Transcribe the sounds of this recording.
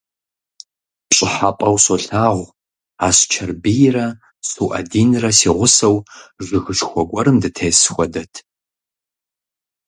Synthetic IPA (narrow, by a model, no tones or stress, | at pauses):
ɕʼɪħapʼɐwsoɬaːʁʷ | aːst͡ʃʰɐrbijrɐ | suwʔɐ̰diːnrɐsiːʁʷʊsɐwʐɨɣɨʂxʷɔɡʷɐɾɨmdɨtʰeːsxʷɔdɐtʰ